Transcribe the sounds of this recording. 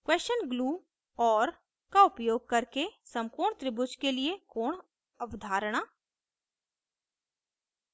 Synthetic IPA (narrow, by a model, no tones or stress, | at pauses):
kweːst͡ʃənɡluː | ɔːɾ | kaʊpjoːɡ̚kɐɾkesə̃mpuːɾɳt̪ɾɪbʊt͡ʃkeliekoːɳ | əʋd̪ʱaːɾəɽ̃a